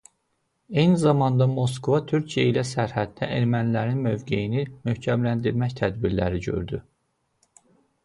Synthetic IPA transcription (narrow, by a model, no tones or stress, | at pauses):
e̞jnizɑmɑnd̪ɑmo̞s̬kovɑt̪ʰyɾcʰijeilæsæɾhæd̪d̪æeɾmænilæɾinmø̞vɟejinimøhcʰæmlænd̪iɾmæçt̪ʰæd̪biɾlæ̰ɾiɟø̞̰ɾd̪y